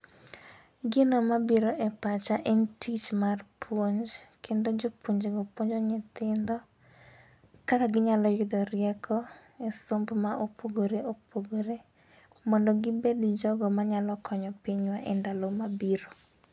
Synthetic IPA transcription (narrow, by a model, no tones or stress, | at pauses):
ɡɪnomabiɾoʔɛpat͡ʃaʔɛntʰit͡ʃmarpʰwoɲd͡ʒkʰendod͡ʒopoɲd͡ʒeɡopwoɲd͡ʒɔɲɪt̪ɪnd̪ɔ | kakaɡɪɲalɔjɪdɔrɪɛkʰɔɛsombmaʔopʰoɡoɾeopʰoɡoɾe | mɔndɔɡɪbedɪd͡ʒɔɡɔmaɲalɔkʰɔɲɔpiɲwaʔɛndalomabiɾo